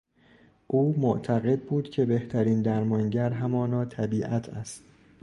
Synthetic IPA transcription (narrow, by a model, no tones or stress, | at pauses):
ʔuːmoʔt̪ʰæɣe̞d̪̚buːd̪̥cʰe̞be̞ht̪ʰæɾiːnd̪æɾmɒŋɟæɾɦæmɒːnɒːt̪ʰæbiːʔæt̪ʰæst̪